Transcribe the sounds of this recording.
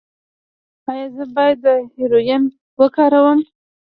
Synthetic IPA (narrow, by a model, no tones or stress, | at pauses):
ɑjɑzəbɑjad̪ːəheɾojem | wəkɑɾawəm